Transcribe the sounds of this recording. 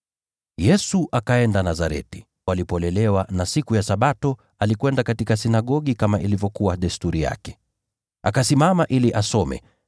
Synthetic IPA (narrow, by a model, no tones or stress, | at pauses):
jɛsuʔakaɛndanazaɾɛ̰ti̥ | walipɔlɛlɛwanasikujasaɓatɔ | alikwɛndakatikasinaɠɔɠikamaʔilivjɔkuwaɗɛstuɾija̰kɛ̥ | akasimamaʔiliʔasɔmɛ̰